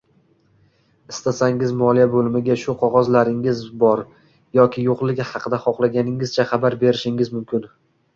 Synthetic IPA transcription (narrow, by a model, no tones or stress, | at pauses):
ɪst̪ʰasaŋɪzmɒlˠijabolɪmɪɡʲaʃʊqʰɒʁɒzlaɾɪŋɪzbɒɾ | jɒkʲʰɪjoqlˠɪɡʲɪhɑqʰɨd̪aχɒqlaɡʲanɪŋɪz̥t͡ʃʰaχɑbaɾbe̞ɾɪʃɪŋɪzmʊmkʲʰɪn